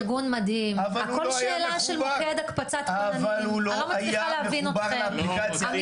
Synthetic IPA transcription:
ʁɡunmad̪himakolʃlelaʃelmoked̪akpat͡sat̪alullomaleavinoteplikaa

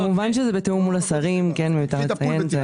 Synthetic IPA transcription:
amuvanʃezebeteumːulasaʁimkenmejutaʁlet͡sajenze

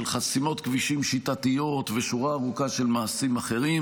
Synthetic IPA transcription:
elχasimo̞t̪kviʃimʃit̪at̪ijo̞t̪veʃuʁaːʁukaʃe̞lmaːsimaχe̞ʁim

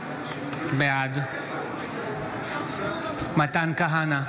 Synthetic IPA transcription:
bjaːd̪ | mɐt̪aːnkaɦaːna

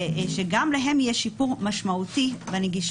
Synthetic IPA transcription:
ʃeɡamlaɦe̞mjeʃipuʁmaʃmautivaniɡiʃ

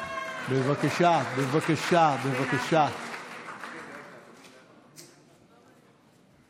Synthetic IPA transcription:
bevakaʃabevakaʃabevakaʃa

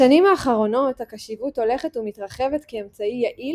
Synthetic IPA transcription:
animaːχaʁo̞no̞thakaʃivuto̞le̞χetumit̪ʁaχe̞vet̪keemt͡saijaʔi

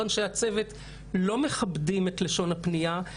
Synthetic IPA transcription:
onʃeat͡sevet | lo̞me̞χabdimet̪leʃo̞napnija

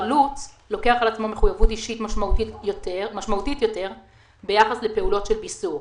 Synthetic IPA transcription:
lut͡s | lo̞ke̞aχalat͡smo̞meχujavutiʃitmaʃauiotemaʃmautitjo̞te̞ʁ | be̞jaχasle̞pe̞ulo̞tʃe̞lbisuʁ

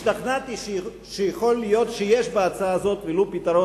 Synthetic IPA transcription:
ʃt̪aχnat̪iʃ | ʃejeχo̞lːijo̞t̪ʃejeʃbeat͡saazo̞t̪velopit̪ɐɾo

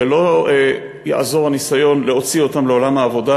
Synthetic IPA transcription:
elo̞e | ja̰ʔazo̞ʁanisajo̞nle̞o̞t͡sio̞tamleolamhaːvo̞da

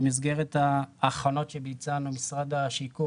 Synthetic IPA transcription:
mizɡeʁetaːχono̞tʃebit͡sanumisʁad̪aʃiku

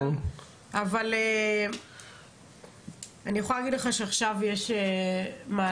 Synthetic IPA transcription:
avale | anijeχoalaɡidleχaʃeaχʃavjeʃemaː

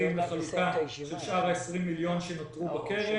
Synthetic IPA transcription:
imleχalukaʃelʃʔaʁaesʁimːiljo̞nʃenot̪ʁubake̞ʁe

